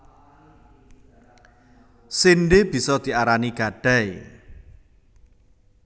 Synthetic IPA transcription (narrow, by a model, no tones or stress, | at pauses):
sinɖeb̥i̤sɔd̪̥i̤aɾaniɡ̥a̤ɖ̥aj